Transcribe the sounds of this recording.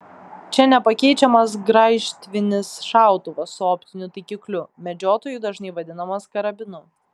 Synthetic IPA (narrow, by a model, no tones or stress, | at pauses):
t͡ʃʲɛnʲɛpɐkʲɛɪt͡ʃʲɛmɐs̬ɡɾɑɪʃʲt̪ʲʋʲɪnʲɪsʃɑˑʊt̪ʊʋɐsʊɔːpʲt̪ʲɪnʲʊt̪ɐɪkʲiklʲʊmʲɛd͡ʒʲoːt̪oːjud̪ɐʒnʲɐɪʋɐd̪ʲɪnɐmɐskɐɾɐbʲɪnʊ